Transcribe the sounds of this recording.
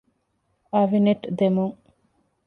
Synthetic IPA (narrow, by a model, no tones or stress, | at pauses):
ɐʋineʈd̪emuŋ